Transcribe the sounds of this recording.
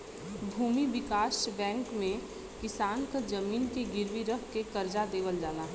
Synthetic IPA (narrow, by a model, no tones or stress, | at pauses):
bʱuːmiʋɪkaːsbɛ̃ːŋkmẽ | kɪsaːnkad͡ʒɐmiːnkeɡɪɾʋiɾəɦkekɐɾd͡ʒad̪eːʋəld͡ʒaːnaɦɛ